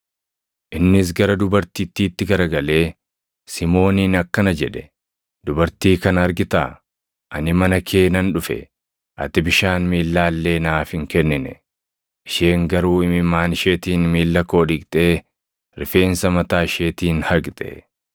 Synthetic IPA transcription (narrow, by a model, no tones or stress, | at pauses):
ʔɪnːɪs̬ɡɐɾɐd̪ʊbɐɾt̪iːt̪ːiːt̪ːɪɡɐɾɐɡɐle̞ː | sɪmo̞ːniːnɐkːɐnɐd͡ʒɛᶑɛ̥ | d̪̥ʊbɐɾt̪iːkɐnɐɾɡɪt̪a̰ː | ʔɐnɪmɐnɐkʰe̞ːnɐnᶑʊfɛ̰ | ʔɐ̰t̪ɪbɪʃaːnmiːlːaːlːe̞ːnaːfhɪŋkɛnːɪnɛ | ʔɪʃe̞ːŋɡɐɾuːɪmɪmaːnʃe̞ːt̪iːnmiːlːɐko̞ːᶑɪkʼt̪ʼe̞ː | ɾɪfe̞ːnsɐmɐt̪aːɪʃe̞ːt̪iːnhɐɡt̪ʼɛ̰